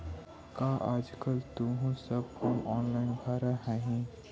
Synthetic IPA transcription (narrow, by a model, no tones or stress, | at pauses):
kaːʔaːd͡ʒkəlt̪ũɦũsəb̚humʔɔːnlaːɪnbʱaːɾaɦɛɦĩ